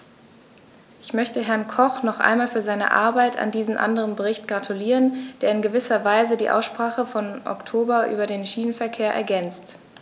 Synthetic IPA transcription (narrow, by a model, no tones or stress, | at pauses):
ʔɪçmœçtəɦɛɐnkʰɔχnɔχʔa̰ɪnmaːlfyːɐzaɪnə̰ʔa̰ɐbaɪtʰa̰ndiːzn̩ʔa̰ndəʁənbəʁɪçtɡ̥ʁatʰuliːʁənd̥eːɐɪnɡəvɪsɐvaɪzədiːʔa̰ʊsʃpʁ̥aːχəfɔnʔɔ̰ktʰoːbɐʔy̰ːbɐdeːnʃiːnənfɛɐkʰeːɐʔɛ̰ɐɡɛnt͡st